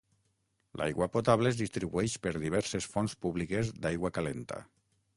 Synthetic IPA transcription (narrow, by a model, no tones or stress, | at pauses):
lʔa̰jɣwapot̪aβleːzðist̪ɾiβuɛʃpeɾðiβ̞ɛɾsesfonspuβlikezd̪ajɣwakalent̪a̰